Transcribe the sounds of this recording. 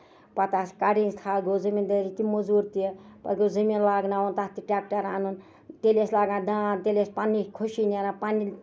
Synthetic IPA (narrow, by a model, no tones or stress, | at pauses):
pɐt̪aːskaɽĩnzt̪ʰaːlɡozimind̪əɾit̪imuzuːɾt̪iepɐ̰t̪ɡʲoziminlaːɡnaːunt̪ast̪iʈaːk̚ʈɐɾaːnun | t̪eːleslaːɡãːd̪ãːt̪elʲespaːnːikʰuʃinenaːpaːni